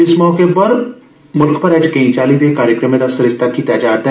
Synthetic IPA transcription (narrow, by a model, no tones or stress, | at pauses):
ɪsmɔːkepɐɾ | mʊlkʰpɐɾɛːd͡ʒkɐĩt͡ʃaːlid̪ekaːɾjəkɾəmẽɾɐsɐɾɪst̪ʰakit̪ɛːd͡ʒaːɾd̪ɛː